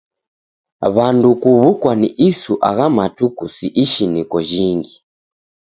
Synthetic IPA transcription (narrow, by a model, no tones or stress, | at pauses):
βandukuβukwaniʔisuʔaɣamatukusiʔiʃinikɔʒiŋɡi